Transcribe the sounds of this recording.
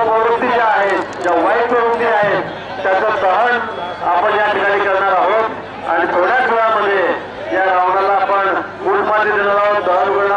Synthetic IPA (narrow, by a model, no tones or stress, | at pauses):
pəʋɾət̪ːid͡ʑeaɦet̪d͡ʑaʋajsəʋənt̪iaɦet̪ː | jat͡ɕat̪əɦəɳ | apəɳjaʈ̪ikaɽiːkəɾɳaɾaɦot̪ | a̰ɽ̃it̪ʰoɽjasʋəɭaməd̪ʱːje | jaɽʱaʋɳalaːpəɳ | kuʈmat̪ed̪eɽaɾaɦod̪əɦənuɡə